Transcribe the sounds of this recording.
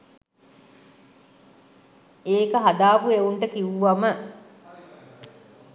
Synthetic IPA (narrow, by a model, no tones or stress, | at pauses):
eːkəɦad̪aːpueuɳʈəkiʋuʋɐmə